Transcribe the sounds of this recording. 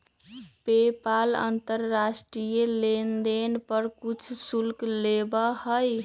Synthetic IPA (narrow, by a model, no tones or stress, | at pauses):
pepalə̰nt̪əɾːasʈɾijelend̪enpəɾkut͡ʃʰsulklebəhəj